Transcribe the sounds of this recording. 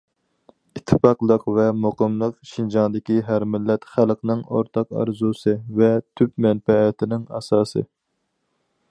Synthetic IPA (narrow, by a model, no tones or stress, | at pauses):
it̪ʰːɨfɑqlˠəqvɛmoqəmlˠəqʃind͡ʒɑŋd̪ɪkʲiɦæɾmɪlːɛt̪χælˠqnɨŋoɾt̪ʰɑqɑ̰ɾzusɨvɛt̪ʰypmɛnfɛːt̪ʰɪnɪŋɑ̰sɑːsɨ̰